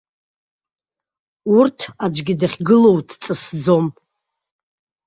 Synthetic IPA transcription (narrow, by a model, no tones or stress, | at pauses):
urtʰad͡ʒʷɡʲidaχʲɡɨlo̞wdʰt͡sʼɨsd͡zo̞m